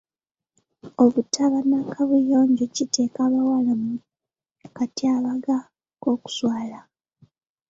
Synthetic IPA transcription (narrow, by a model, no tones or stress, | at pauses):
o̞βutʰaβanakʰaβujo̞ːɲɟocitʰe̞ːkaβawalamu | katjaːβaɡa | ko̞ːku̥swaːla